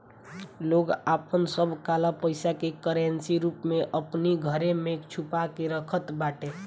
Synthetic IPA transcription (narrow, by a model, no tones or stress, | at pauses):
loɡapənsəbʱkalapəɪsakekəɾensiɾupmeʔəpniɡʱəɾemekt͡ʃʰupakeɾəkʰət̪baʈe